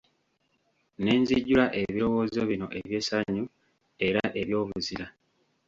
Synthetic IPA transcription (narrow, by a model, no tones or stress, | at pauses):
ne̞ːɲziɟːulaʔe̞βiɾo̞wo̞ːzoβino̞ʔe̞βje̞saɲːu | e̞ɾaʔe̞βjo̞ːvuziɾa